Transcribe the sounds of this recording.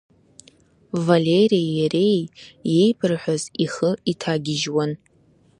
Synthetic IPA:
valeɾiajaɾejːe̞jpʰɨrħʷaziχəitʰaɡʲɪʒwan

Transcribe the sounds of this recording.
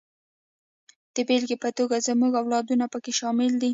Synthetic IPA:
d̪̥əbelɡepət̪oɡazəmuɡawlɑd̪unapəkeʃɑmɪld̪i

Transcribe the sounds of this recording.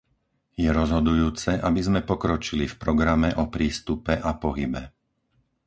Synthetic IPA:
jɛɾɔzɦɔd̪ujuːt͡sɛʔabizmɛpɔkɾɔt͡ʃilifpɾɔɡɾamɛʔɔpɾiːst̪upɛʔapɔɦibɛ

